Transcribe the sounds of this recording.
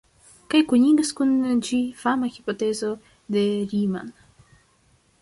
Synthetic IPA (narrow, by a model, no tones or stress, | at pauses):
kajkuɲiɡɐskund͡ʒifamaxipot̪ezo | d̪eɾima̰n